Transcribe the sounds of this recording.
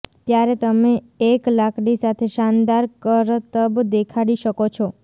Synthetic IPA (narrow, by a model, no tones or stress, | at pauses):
t̪jaɾet̪əmeː | klakɽisat̪ʰeʃand̪aɾkəɾt̪əbd̪ekʰaɽiʃəkot͡ʃʰɔ